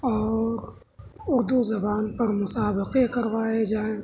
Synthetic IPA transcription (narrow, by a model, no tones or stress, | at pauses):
ɔːɾ | ʊɾd̪uzɐbaːnpɐɾmʊsaːbɪqekɐɾʋaːed͡ʒaːẽː